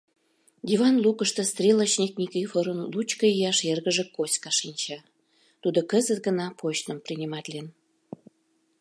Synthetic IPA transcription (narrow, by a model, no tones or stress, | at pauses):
d̪ʲivɑnlukəʃt̪ə̆st̪rʲelət͡ɕnʲiknʲikifoɾənlut͡ɕkəijɑʃerɣəʒekosʲkɑʃinʲt͡ɕɑ | t̪ud̪okəzət̪̚ɡənɑpʰoɕt̪əmprinʲimɑt̪lʲen